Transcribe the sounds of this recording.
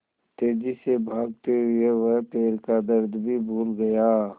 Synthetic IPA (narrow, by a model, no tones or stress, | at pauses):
t̪eːd͡ʒisebʱaːɡ̚t̪eɦʊeʋəɦpeːɾkad̪əɾd̪ʱbʱibʱuːlɡɐjaː